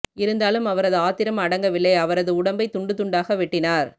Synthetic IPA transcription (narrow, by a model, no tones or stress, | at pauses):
ɪɾɯnd̪aːlɯmɐʋɐɾɐðɯaːt̪ɪɾɐmɐɽɐŋɡɐʋɪlːɐɪɐʋɐɾɐðɯʊɽɐmbɐɪt̪ʊɳɖɯt̪ʊɳɖaːɣɐʋɪʈːɪnaːɾ